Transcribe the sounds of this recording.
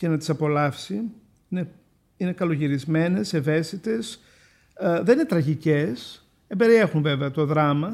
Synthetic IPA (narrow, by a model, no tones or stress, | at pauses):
ce̞nɐt̪isɐpo̞lɐfsi | ine | ine̞kɐlo̞ʝiɾizme̞ne̞seve̞st̪it̪e̞s | ðeninet̪ɾɐʝices | embe̞ɾiexunve̞veɐt̪o̞ðɾɐmɐ